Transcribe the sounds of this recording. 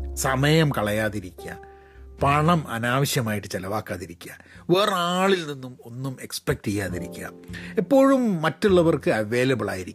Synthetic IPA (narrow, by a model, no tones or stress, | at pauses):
sɐmɐjɐmkɐɭɐjaːðiɾikʲːɐ̰ | pɐɳɐmɐ̰naːʋɐɕjɐmaːjiʈːɨt͡ɕɐlɐʋaːkːaːðiɾikʲːua | ʋeːraːɭilninːumo̞nːume̞kspek̚ʈejːaːðiɾikʲːua̰epːo̞ːɻumːɐtːuɭːɐʋɐrkɨɐʋe̞ːlɐbɨɭa̰ːjiɾikː